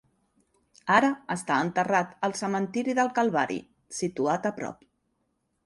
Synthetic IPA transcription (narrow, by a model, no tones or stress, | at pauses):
aɾəəst̪aənt̪ərat̪əlˠsəmənt̪iɾiðəlˠkəlˠβaɾḭ | sit̪uat̪əpɾɔ̰p